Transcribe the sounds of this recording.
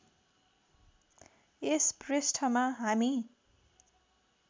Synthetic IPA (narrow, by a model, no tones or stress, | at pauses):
espresʈʰʌmaɦami